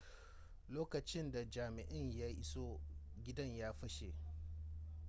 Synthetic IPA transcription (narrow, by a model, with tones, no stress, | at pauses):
loː˦kɐ˨t͡ʃɪ˦nda˨d͡ʒaː˨mɪ˨ʔɪ˦ɲja˦ʔɪ˦so˦ɡʲɪ˦dɐ˦ɲjaː˦ɸɐ˦ʃe˨